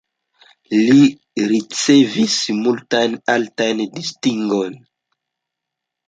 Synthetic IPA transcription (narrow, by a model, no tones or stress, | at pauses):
li | ɾit͡sevismultajnaltajndistiŋɡojn